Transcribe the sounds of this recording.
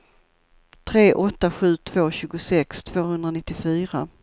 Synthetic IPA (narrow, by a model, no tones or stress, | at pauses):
t̪ʰɾeːʔɔt̪ːaɧʉ̟ːt̪ʰv̥oːɕʉ̟ːɡʊsɛkst̪ʰv̥oːhɵnd̪ɾanɪt̪ːɪfyːɾa